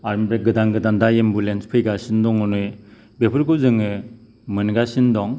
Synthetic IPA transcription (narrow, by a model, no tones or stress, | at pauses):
aɾmbeɡɯdaŋɡɯdandajembulenspʰɯjɡasindɔŋɯnɯj | bepʰɯɾkʰɯwzɯŋɯ | mɯnɡasindɔŋ